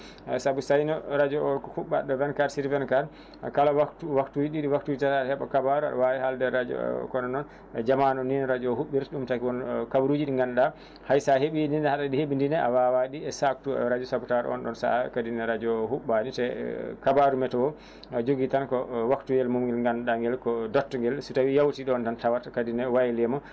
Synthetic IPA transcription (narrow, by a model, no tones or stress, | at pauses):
sabusajnɔɾad͡ʒɔɔhuɓːaɗɔvɛnkaɾsiɾvɛnkaɾ | kalawakwaktud͡ʒiɗiɗiwaktud͡ʒitatahɛɓakabaɾua̰ɗɔ̰wawihaldɛːad͡ʒɔ̰kɔnɔnɔn | d͡ʒamanɔnːinɾad͡ʒɔːhuɓːiɾɗumtakiwɔnkabuɾud͡ʒiɗiŋɡanɗa | hajsaheɓinindɛhaɗaɗiheɓindinɛa̰wawaɗiɛsak̚tuɛ̰ɔɾad͡ʒɔsabutaɾɛ̰ɔ̰nɗɔnsa̰kadinɛɾad͡ʒɔhuɓanitɛkabaɾumɛtɔwɔ | ad͡ʒoɡitankɔwaktujɛlmumɡɛlŋɡanɗaŋɡɛlkɔdɔtːɔŋɡɛlsutawijawtiɗɔɔntantawatakadinɛwajɛlɛmɔ